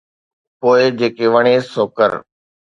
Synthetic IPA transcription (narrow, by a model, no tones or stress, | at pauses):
poːɪd͡ʑeːkeʋəɽ̃esoːkə̰ɾ